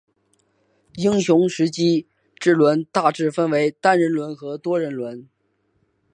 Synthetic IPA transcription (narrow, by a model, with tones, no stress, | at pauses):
i˥ŋɕjʊ˧˥ŋʂɻ̩˧˥t͡ɕi˥ | ʈ͡ʂɻ̩˥˩lwə˧˥nt̪a˥˧ʈ͡ʂɻ̩˥˩fə˥nwe˧˥ɪt̪a˥nɻə˧˥nlwə˧˥nxɤ˧˥t̪wɔ˥ɻə˧˥nlwə˧˥n